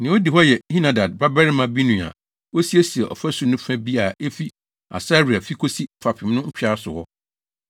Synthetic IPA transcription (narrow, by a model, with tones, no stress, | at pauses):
nɪ̃˨˦o˦di˨ɦɔ˦jɛ˨hi˦nã˨da˨d̚ba˦bɛ˦ɾmã˨bi˦nũ˨a̰˨ | wo˦si˦e˦si˨ɛ˨ʔɔ̰˨fæ˦su˨nʊ̃˦fã˦bi˦a˨e˦fi˦ | a̰˨sa˦ɾi˨a˨fi˦kʰo˦si˦fa˨pʰɪ˨m˦nʊ̃˦m̩˦t͡ɕᶣa˦sʊ˨hɔ˦